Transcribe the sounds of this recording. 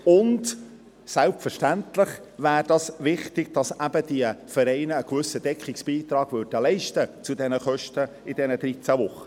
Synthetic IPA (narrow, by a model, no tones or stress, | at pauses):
ʊnd | sælpfəɾʃtænt̪lɪχvæːɾd̥ɑsvɪχtɪɡ̥̚d̥ɑsæb̥əd̥iəfəɾɛɪnəːkvɵsədɛkχɪksb̥iːt̪rɑːɡ̥vʏɾd̥əlɛɪʃtət͡sʊdɛnəχœʃtə | ɪd̥ɛnəd̥̪ɾit͡sævʊχːə